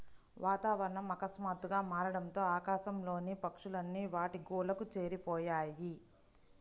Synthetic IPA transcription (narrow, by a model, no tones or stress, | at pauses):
ʋʔaːt̪aːʋɐɾɐɳɐmɐkɐsmaːt̪uɡaːmaːɾɐɽɐnt̪o̞ːaːkaːʃɐmlo̞ːnipɐkʂulɐnːiʋaːʈiɡoːlɐkut͡ʃe̞ːɾipɔːjaːji